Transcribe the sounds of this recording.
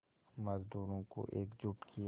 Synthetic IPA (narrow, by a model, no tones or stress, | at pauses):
mɐzd̪uːɾõko̰ʔeːkd͡ʒʊʈkʰij